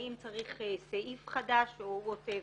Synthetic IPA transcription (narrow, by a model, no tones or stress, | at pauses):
imt͡saʁiχseʔifχadaʃouotev